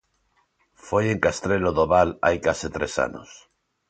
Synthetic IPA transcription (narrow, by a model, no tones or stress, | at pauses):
fojeŋkast̪ɾeloðoβala̰jkaset̪ɾesa̰no̰s